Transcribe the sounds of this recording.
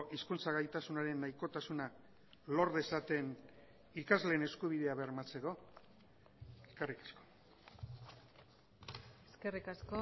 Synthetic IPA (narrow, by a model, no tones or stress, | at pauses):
ʔiskunt͡saɣajt̪asunaɾe̞nːajko̞t̪asuna | lo̞ɾðe̞sat̪e̞n | ikazle̞ːne̞skuβ̞iðe̞aβe̞ɾmat͡se̞ko̞ | ekarikḁsko̞̥ | eskerikasko